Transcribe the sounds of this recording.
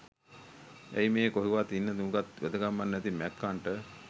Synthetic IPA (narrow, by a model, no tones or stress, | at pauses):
æjmeːkoɦiʋat̪inːət̪umukat̪ʋḛd̪əɡamːanːɛt̪imɛkːaɳʈə